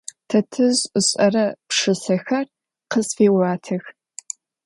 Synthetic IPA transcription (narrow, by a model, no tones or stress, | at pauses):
tʰɐtʰɨzɕʼɐrɐpʂɨsɐxɐr | qəzfeːwaːtʰɐx